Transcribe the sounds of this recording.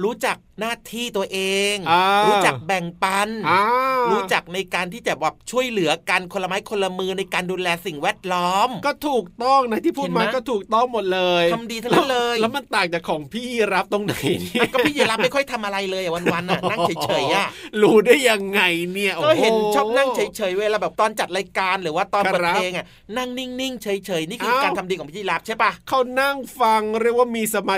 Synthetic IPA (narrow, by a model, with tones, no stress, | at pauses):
ɾuː˦˥t͡ɕa˨˩k̚naː˥˩t̪ʰiː˥˩t̪u˧ɐʔeː˧ŋaː˧ɾuː˦t͡ɕa˨˩bɛ˨˩ŋpa˧nʔaː˧ɾuː˦˥t͡ɕa˨˩k̚na˧jkaː˧nt̪ʰiː˥˩t͡ɕa˨˩bɛː˨˩p̚t͡ɕʰu˥˩əjlɯ˩˦ɐka˧nkʰo˧la˧ma˦˥jkʰo˧lːa˧mɯː˧na˧jkaː˧nduː˧lɛː˧si˨˩ŋwɛː˥˩t̪̚lɔː˦˥mkɔː˥˩t̪ʰuː˨˩k̚t̪ɔ˥˩ŋna˦˥t̪ʰiː˥˩pʰuː˥˩t̪̚maː˧˦kɔː˥˩t̪ʰuː˨˩k̚t̪ɔ˥˩ŋmo˨˩t̪̚lɤː˧jkʰa˧mdiː˧t̪ʰa˥llɤː˧jlɛ˦˥wma˧nt̪aː˨˩ŋk̚t͡ɕaː˨˩kʰɔː˩˦ŋpʰiː˥˩ɾa˦˥p̚t̪o˧ŋna˨˦jni˦˥ɔː˥pʰiː˥˩˧la˦˥pma˥˩jkʰɔ˥˩jt̪ʰa˧mʔa˧ɾa˧jlɤː˧jʔa˨˩wa˧nwa˧nʔa˨˩na˥˩ŋt͡ɕʰɤː˩˦t͡ɕʰɤː˩˦jʔa˧˩ɾuː˧du˥˩əjːa˧ŋːa˧jni˥˩ɐʔɔː˧˥˩jhe˨˦˧ɔː˥˩pna˥˩ŋt͡ɕʰɤː˩˦jt͡ɕʰɤː˩˦jweː˧laː˧˩bɛː˨˩p̚t̪ɔː˧nt͡ɕa˨˩t̪̚ɾa˧jkaː˧nɾɯː˩˦waː˥˩t̪ɔː˧n˧pːʔeː˧ŋʔa˨˩ | na˥˩ŋni˥˩ŋni˥˩ŋt͡ɕʰɤː˨˩˦jt͡ɕʰɤː˩˦jniː˥˩ʔʰɯː˧˥aː˧nt̪ʰa˧diː˧kɔː˨˩˦pʰiː˥˩i˧laː˦˥p̚t͡ɕʰa˥˩pa˦˥˩kʰa˥˩wna˥˩ŋfa˧ŋɾi˥˩ək̚waː˥˩miː˧sa˧maː˧˩